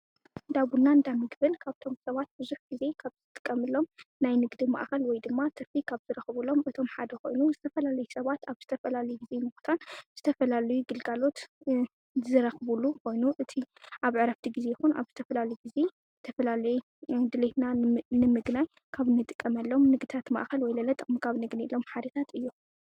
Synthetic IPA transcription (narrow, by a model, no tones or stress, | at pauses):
d̪aβunːand̪amɨɡbɨnkʰaβt̪ʰo̞msɐβat̪̚bɨzuħɡ̥ize̞kʰaβzɨt̪ʼɨkʼːɐmɨlːo̞mnajnɨɡd̪ima̰ʔkɐlwɔjd̪ɨmːat̪ʰɐɾfikʰaβzɨɾɐxβɨlo̞mɨt̪ʰo̞mħad̪ɐkʰo̞̰jnuzɨt̪ʰɐfɐlalɐjusɐβat̪aβz̥ɨt̪ʰɐfɐlalɐjuɡize̞mɨxu̥t̪ʰanz̥ɨt̪ʰɐfɐlalɐjuɡɨlɡalo̞t̪ | zɨɾɐxβulːukʰo̞jnuʔɨt̪ʰiʔaβʕɨɾɐft̪ʰiɡize̞jɪxunʔa̰βzɨt̪ʰɐfɐlalɐjuɡize̞ | t̪ʰɐfɐlalɐju | d̪ɨlet̪nanɨmɨɡnaj | kʰaβɨnːɨt̪ʼɨ̥kʼːɐmɐlːo̞mnɨɡd̪it̪ʰat̪ma̰ʔkɐlwɔjlɐlɐt̪ʼɨkʼmkʰaβnɨɡnilːo̞mħad̪ɐt̪ʰat̪ɨjːu